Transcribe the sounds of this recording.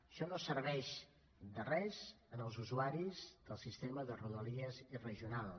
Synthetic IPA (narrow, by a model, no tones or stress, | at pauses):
əʃɔnosəɾβɛʃ | d̪ərɛz | ənəlˠzuzuaɾizd̪əlˠsist̪eməðəruðəliəzirəʒiunalˠ